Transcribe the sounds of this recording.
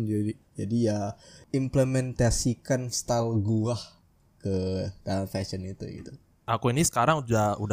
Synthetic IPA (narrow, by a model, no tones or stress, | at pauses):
d͡ʒadid͡ʒadijaimplemɛnt̪asikanst̪alɡuah | kəd̪̥aafɛsənit̪ṵɡḭt̪u | akuinisə̥kaɾaŋudauda